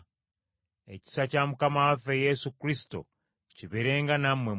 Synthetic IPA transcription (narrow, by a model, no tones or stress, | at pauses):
ḛci̥sacamukamawafejesukɾisi̥to̞̰ | ciβeɾe̞ːŋɡanamwe